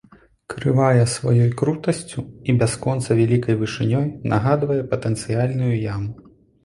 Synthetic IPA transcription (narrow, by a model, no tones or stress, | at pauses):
kɾɨvajɛsvajɔjkɾut̪ɐsʲt͡sʲuibʲaskɔnt̪sɐvʲalʲikɐjvɨʂɨnʲɔjnaɣad̪vɐjɛpɐt̪ɛnt̪sɨjalʲnujujamu